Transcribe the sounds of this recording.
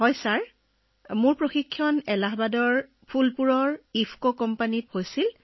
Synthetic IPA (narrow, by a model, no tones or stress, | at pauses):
hɔjsaɹ | mʊɹpɹoxikʰːjɔnɛlaɦbadɔɹ | pʰulpuɹɔɹipʰkokɔmpanithojsil